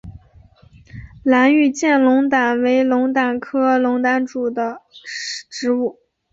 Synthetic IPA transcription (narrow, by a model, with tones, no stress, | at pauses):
la˧˥ny˥˩t͡ɕjɛ˥˩nlʊ˧˥ŋt̪a˨˩nwe˧˥ɪlʊ˧˥ŋt̪a˨˩nkʰɤ˥lʊ˧˥ŋt̪a˧˥nʈ͡ʂu˨˩d̪ə˦ | ʈ͡ʂɻ̩˧˥u˥˩